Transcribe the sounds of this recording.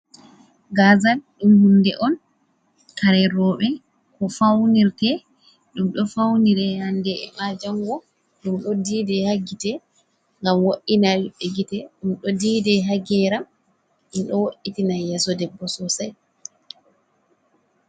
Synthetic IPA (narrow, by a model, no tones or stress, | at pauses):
ɡazalɗumhundɛʔɔn | kaɾɛɾɔɓɛ | kɔfawniɾtɛ | ɗumɗɔfawniɾɛhandɛɛmad͡ʒaŋɡɔ | ɗumɗɔdidɛhaɡitɛ | ŋɡamwoʔːinalɓeɡitɛɗumɗɔdiːdɛɦaɡɛɾam | ʔinɗɔwoʔːitinajɛsɔdɛbːɔsɔsaj